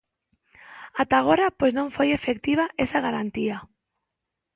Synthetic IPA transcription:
at̪aɣ̞oɾapojznõŋfojefekt̪iβ̞aʔesaɣaɾant̪ia

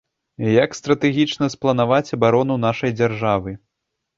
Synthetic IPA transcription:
jakst̪ɾɐt̪ɛɣʲit͡ʂnɐsplˠɐn̪avat͡sʲɐbaɾɔnunaʂɐjd͡zʲarʐavɨ

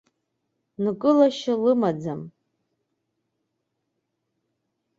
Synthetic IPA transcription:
nɨkʼɨlaʃalɨmad͡zam

